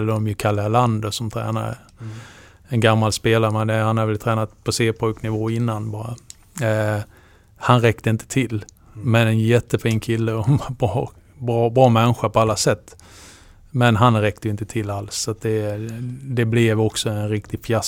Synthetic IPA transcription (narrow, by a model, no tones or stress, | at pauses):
ld̪ɔmjɵkʰalːaland̪ʊsɔmt̪ʰɾɛ̰ːna̰ɾə̰ | ɛnɡamːalspeːlaɾəmɛnd̪ɛhanhaɾvɛlt̪ʰɾɛːnat̪pʰɔseːpʰɔjknɪvoːɪnːanbɑːɾa̰ | hanɾɛkt̪əɪnt̪ʰə̥t̪ʰɪl | mɛnɛnjɛt̪ːəfiːnkʰɪlːəɔbɾɑː | bɑːbɾɑːmɛnɧapʰɔalːasɛt̪ː | mɛnɦanɾɛkt̪əjʏɪnt̪ət̪ʰɪlːalsːat̪̚d̪ɛ | d̪ɛblɛvɔksɔɛnɾɪkt̪ɪɡfjas